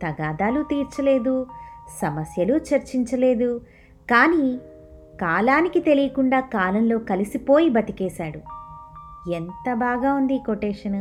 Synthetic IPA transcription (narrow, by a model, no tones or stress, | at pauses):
t̪ɐɡaːd̪aːlut̪iːɾt͡ʃɐle̞ːd̪usɐmɐsjɐlut͡ʃɐɾt͡ʃiɲt͡ʃɐle̞ːd̪u | kaːniː | kaːlaːnikit̪e̞lijɐkuɳɖaːkaːlɐnlo̞ːkɐlisipo̞ːjibɐt̪ikɛːsaːɽu | ent̪ɐbaːɡaːund̪iːkoʈeːʂɐnɐ